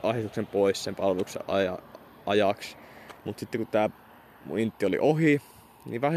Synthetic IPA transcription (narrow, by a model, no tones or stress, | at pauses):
ʔɑset̪uksempoissempɑlʋelusɑ̰ʔɑ̰jɑ | ʔɑjɑks | mut̪sit̪ːekut̪æː | ṵint̪ːiolḭʔoɦi | niʋæh